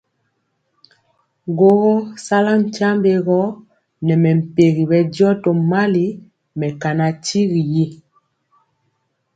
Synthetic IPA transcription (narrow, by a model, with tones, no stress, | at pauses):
ɡo˦ɣɔ˦sa˦la˦m̩˨ta˦mbe˨ɣɔ˦ | nɛ˨mɛ˨m̩˨pe˨ɣi˨bɛ˨djɔ˦tɔ˨ma˦li˦ | mɛ˨ka˨na˨ti˦ɣi˨je˦